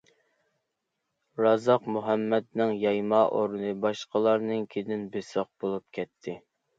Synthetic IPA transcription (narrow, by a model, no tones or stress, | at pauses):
ɾɑzɑqmuɦɛmːɛd̪nɨŋjɑjmɑʔoɾnɨbɑʃqəlˠɑɾnɨŋkʲʰed̪ɪnbesoq̚bolˠup̚kʲʰɛt̪ʰːɪ